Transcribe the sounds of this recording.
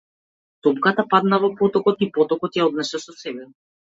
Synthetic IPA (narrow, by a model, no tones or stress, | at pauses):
t̪ɔpkat̪apad̪navɔpɔt̪ɔkɔt̪ipɔt̪ɔkɔt̪jaɔd̪nɛʃɛsɔsɛbɛ